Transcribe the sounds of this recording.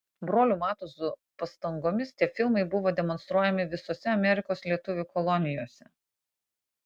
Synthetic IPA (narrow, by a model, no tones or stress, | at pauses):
bɾoːlʲuːmɑːt̪osʊpɐst̪ɐŋɡoːmʲɪst̪ʲiɛfʲɪlˠmɐɪbʊʋoːd̪ʲɛmɔnst̪ɾuɔjɛmʲɪʋʲɪsoːsʲɛɐmʲɛɾʲɪkoːslʲiɛt̪ʊʋʲukɔlˠɔnʲɪjoːsʲɛ